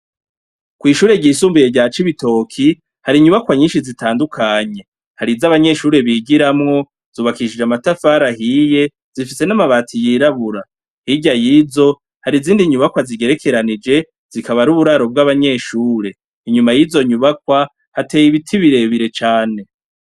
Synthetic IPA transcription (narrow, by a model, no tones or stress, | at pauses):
kwiːʃuːɾe̞ɟiːsuːmbijeɟaːt͡ʃiβito̞kʰi | haɾiɲuβakwaɲiːnʃizitaːndukʰaɲe̞ | haɾizaβaɲe̞ʃuːɾe̞βiːɡiɾamŋo̞ | z̥uːβakiʃid͡ʒamatafaːɾahije̞ | z̥ifise̞namaβaːtʰijiːɾaβuɾa | hiɟajizo̞ | haɾiziːndiɲuβakwaziɡe̞ɾe̞kʰe̞ɾanid͡ʒe̞ | z̥ikaβaɾuβuɾaɾo̞b̚ɡaβaɲe̞ʃuːɾe̞ | iɲumajizo̞ɲuβakwa | hateːjiβitʰiβiɾe̞βiɾe̞t͡ʃaːne̞